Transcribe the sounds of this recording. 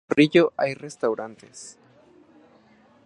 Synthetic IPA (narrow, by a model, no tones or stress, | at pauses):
riʝoʔajrest̪awɾant̪ḛs